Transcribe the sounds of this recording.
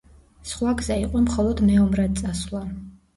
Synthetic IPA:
sχwaɡzaiqʼɔmχɔlˠɔd̪mɛɔmɾad̪̚sʼaslˠa

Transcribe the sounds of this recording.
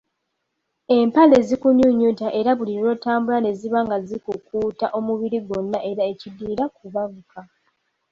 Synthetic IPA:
e̞mpale̞zikuɲuɲːutaʔe̞ɾaβuliɾo̞ːtaːmbulane̞ziβaŋɡazikukuːtaʔo̞muβiɾiɡonːaʔe̞ɾae̞cidiːɾakuβaɡuka

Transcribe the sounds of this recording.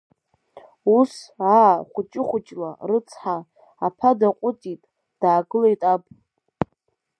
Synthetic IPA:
usaːχʷʊt͡ʃʼɪχʷʊt͡ʃʼla̰rɨt͡sʰħaː | pʰadaqʷʼʊtʼitʼ | d̥aːɡɨlajtʼapʼ

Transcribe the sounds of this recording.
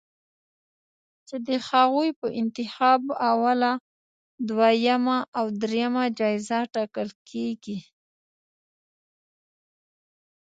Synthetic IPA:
t͡ʃed̪əxaɣujpəʔɪnt̪ɪxɑbawala | d̪wajamaʔawd̪ɾejamad͡ʒɑɪzaʈɑkəlkʰeɡi

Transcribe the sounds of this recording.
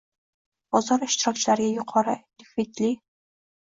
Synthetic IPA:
bɒzɒɾɪʃt̪ɪɾɒk̚ʲt͡ʃʰɪlaɾɡʲajʊqʰɒɾɨd̪ɪxit̪li

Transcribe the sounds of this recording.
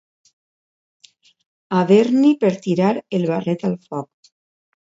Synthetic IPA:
aβeɾnipeɾt̪iɾaɾelβaret̪alfɔk̚

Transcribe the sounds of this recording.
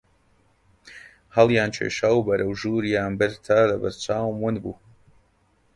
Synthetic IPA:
halˠjaːnt͡ʃɛ̰ʃawbaɾawʒuːɾijaːmbeɾt̪ʰaːlaba̰ɾt͡saːwmwunbu

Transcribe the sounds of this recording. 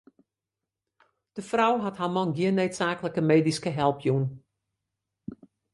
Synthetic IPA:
d̥əfrɔwɦatɦaːmɔnɡiənːøɥtsaːkələkəmeːdiskəɦɛlˠpʰjun

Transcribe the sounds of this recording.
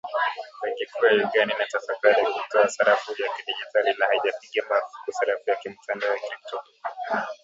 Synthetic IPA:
ɛŋɡɛkuajɔɡaninatafakaɾiakutɔasaɾafujakiɗid͡ʒitalinahaiʄapikiamaɾufukusaɾafujakim̩tʰandaɔjakɾik̚tɔp

